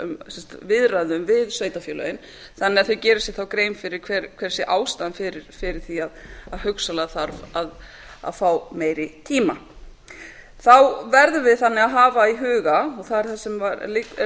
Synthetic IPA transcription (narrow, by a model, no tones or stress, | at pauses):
ʏ̰msɛmst̪vɪðɾaðɪʏmvɪðsvœːɥjt̪afjœːlœ̰jɪn | θanːɪaðθʏɥcɛːɾɪsjɛθawkɾeːjmfɪɾɪɾ̥kʰvɛɾkʰvɛɾ̥sjɛʔaːwst̪anfɪɾɪɾ̥fɪɾɪɾ̥θiaðaðhʏksalaθaɾvað | a̰ðfaːwmeːjɾɪt̪ʰiːma | θawvɛɾðʏvɪðθanːɪaðɦaːvaiɦʏːɣaɔɣθaðɛɾ̥θasɛmvaɾli